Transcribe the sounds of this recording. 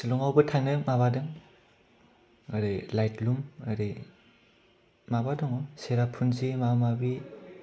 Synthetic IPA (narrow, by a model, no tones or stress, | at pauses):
silɔŋawbɯtʰaŋnɯmaβadɯŋ | aɾilajtlumaɾi | mabadɔŋɔseɾapʰunzimamabi